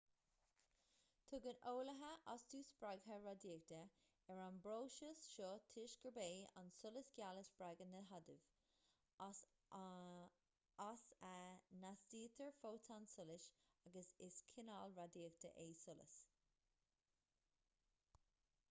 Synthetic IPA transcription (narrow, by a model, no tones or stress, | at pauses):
t̪ʰʊɡənoːləɦəʔast̪ʰuːsb̥ɹaɡɦəɹadiːk̚d̪ə | ɛɹanbɹoːʃəsʃɔt̪ʰɪʃɡ̥əbeːa̰nsʊləsɡ̥jaləsb̥ɹaɡənəɦad̪ɪv | asanasd̥iːt̪ʰəɹfoːtʰansʊlɪʃaɡəsɪskʰɪnalɹadiːək̚d̪ə̰ʔeːsʊlə̰s